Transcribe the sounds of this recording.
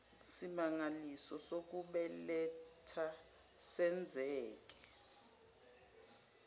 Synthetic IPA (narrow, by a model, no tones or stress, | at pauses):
simaŋalisɔsok̬uɓɛlɛtʰa | sɛnd͡zʱɛːk̬ɛ̥